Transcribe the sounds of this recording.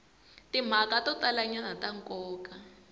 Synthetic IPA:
tim̤akatɔt̪alaɲanataŋkɔːka

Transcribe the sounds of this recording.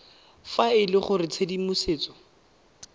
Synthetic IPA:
faɪlɪχʊrɪt͡sʰedimʊseːt͡sɔ̥

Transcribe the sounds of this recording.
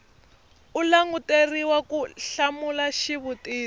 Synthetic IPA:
ulaŋutʼeriwakuɬamulaʃiβutʼiː

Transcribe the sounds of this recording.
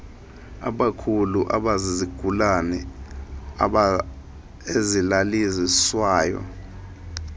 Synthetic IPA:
a̰ɓakʰuluʔaɓaziziɡ̥ʱulanɛ | ezilaliziswaːjɔ̰

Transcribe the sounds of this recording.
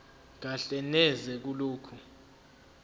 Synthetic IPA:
k̬aɬɛnɛzɛk̬uloːkʰu

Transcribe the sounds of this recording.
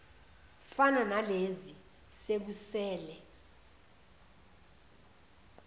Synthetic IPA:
fananalezi | sek̬usɛːlɛ

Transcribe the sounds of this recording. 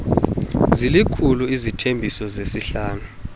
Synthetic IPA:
zilikʰuluizitʰembʱisɔzesiɬaːnu

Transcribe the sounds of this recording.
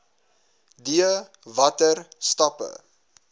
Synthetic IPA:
diə | vɐtərstɐpə̰

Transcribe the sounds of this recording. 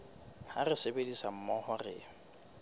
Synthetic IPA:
ha̰rɪsebedisam̩mɔhɔrɪ̰ː

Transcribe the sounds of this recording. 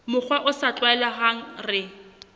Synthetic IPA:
mʊk͡xʰwaʔʊsat͡ɬʼwaɛlaɦaŋ̩rɪ

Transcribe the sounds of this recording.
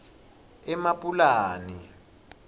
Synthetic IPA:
ɛmapʼulaːni

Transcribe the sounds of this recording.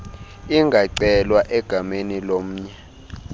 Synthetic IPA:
iŋɡʱaǀɛlwaʔɛɡ̥ʱamenilom̩ːɲɛ

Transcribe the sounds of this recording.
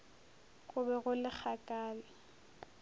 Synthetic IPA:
ɣʊbɛɣʊlɪk͡xʰakʼaːlɪ

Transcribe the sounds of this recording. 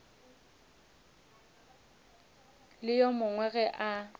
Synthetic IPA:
lɪjɔmʊŋwɛɣɛʔa

